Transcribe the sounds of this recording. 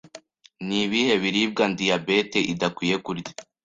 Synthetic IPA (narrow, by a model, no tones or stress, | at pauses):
niβihe̞βiɾiːb̚ɡandijabe̞te̞ʔidakwiːje̞kuɾj